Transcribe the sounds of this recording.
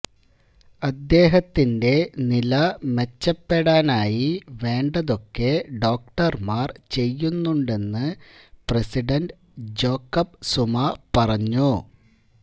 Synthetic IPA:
ɐd̪ːe̞ːɦɐt̪ːinde̞nilɐme̞t͡ɕːɐpːe̞ɽaːnaːjiʋe̞ːɳɖɐðo̞kːe̞ɖo̞ːk̚ʈɐrmaːrt͡ɕe̞jːunːuɳɖe̞nːɨpresiɖɐnɖ | d͡ʑo̞ːkːɐp̚sumɐpɐrɐɲːu

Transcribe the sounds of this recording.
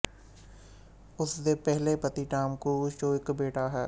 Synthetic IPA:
ʊsd̪epɛɦlepɐt̪iʈaːmkud͡ʒoːɪkbeːʈaɦɛː

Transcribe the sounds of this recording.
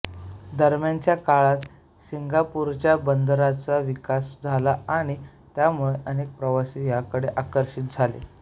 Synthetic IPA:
d̪əɾmjant͡ɕjakaɭat̪ | siŋɡapuɾt͡ɕjabənd̪ɾat͡saʋikasd͡zʱalaaɽ̃i | t̪jamuɭeʔənek̚pɾəʋasijakəɽeʔakəɾɕiːt̪̚d͡zʱalḛ

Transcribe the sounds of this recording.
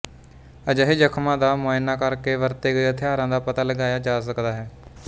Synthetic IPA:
əd͡ʒəɦeːd͡ʒəkʰmãːd̪aːmoːɪnaːkəɾkeːʋəɾt̪eːɡəeət̪ʰɪaːɾãːd̪aːpət̪aːləɡaːjaːd͡ʒaːs̬əkd̪aːɦɛː

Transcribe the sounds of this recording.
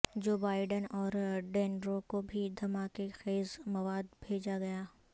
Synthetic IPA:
d͡ʒoːbaːɪɖənɔːɾɖɛːnɾokobʱid̪ʱɐmaːkexeːzmɐʋaːd̪bʱeːd͡ʒaɡɐjaː

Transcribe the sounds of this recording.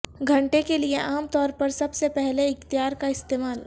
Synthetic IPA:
ɡʱɐ̃ɳʈekelieʔaːmt̪ɔːɾpɐɾsɐbsepɛɦleɪkt̪ɪjaːɾkaɪst̪eːmaːl

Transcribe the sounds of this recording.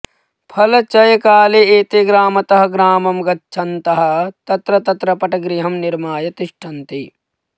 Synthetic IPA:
pʰɐlɐt͡ʃɐjɐkaːleeːt̪eɡɾaːmɐt̪ɐɦɐ̆ɡɾaːmɐmɡɐtːʃʰɐnt̪ɐɦɐ̆t̪ɐt̪ɾɐt̪ɐt̪ɾɐpɐʈɐɡɾiɦɐmniɾmaːjɐt̪iʂʈʰɐnt̪i

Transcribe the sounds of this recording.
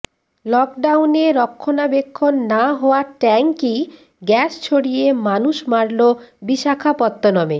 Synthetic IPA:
lɔk̚ɖawneɾɔkʰːonabekʰːonːaɦɔoaʈɛŋki | ɡɛst͡ɕʰoɽijemanuʃmaɽlobiʃakʰapɔt̪ːonɔme

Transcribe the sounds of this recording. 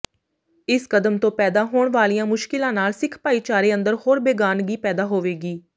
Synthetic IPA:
ɪskəd̪əmt̪õːpɛːd̪aːɦoːɳʋaːlijãːmʊʃkɪlãːnaːlsɪkʰpaːiːt͡ʃaːɾeːə̃nd̪əɾhoːɾbeːɡaːnɡiːpɛːd̪aːɦoːʋeːɡiː

